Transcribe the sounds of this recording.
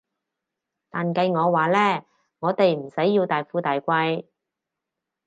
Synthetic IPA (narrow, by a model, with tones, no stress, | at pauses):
t̪aː˨nkɐ˧jŋɔː˨˧waː˨lɛː˥˩ | ŋɔː˨˧t̪e˨jm̩˨˩sɐ˨˥jːiː˧wt̪aː˨jfuː˧t̪aː˨jkʷɐ˧j